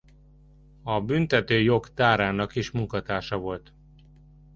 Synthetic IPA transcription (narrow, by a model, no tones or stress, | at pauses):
ɒbynt̪ɛt̪øːjo̞kt̪aːɾaːnɒkiʃmuŋkɒt̪aːʃɒvo̞lt̪